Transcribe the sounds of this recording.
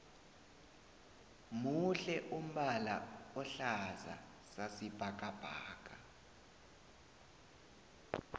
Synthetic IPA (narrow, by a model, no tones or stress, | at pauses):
muɬɛʔum̩ɓala̰ɔɬaza̰ | sasib̥ʱak̬ʼab̥ʱa̰ːkʼa